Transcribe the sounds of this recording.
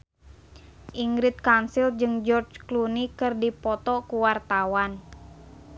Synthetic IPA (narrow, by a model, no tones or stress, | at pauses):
ʔiŋɡɾɪt̪̚kansild͡ʒɨŋd͡ʒɔrd͡ʒklunikɨrdipɔt̪ɔkuwart̪awan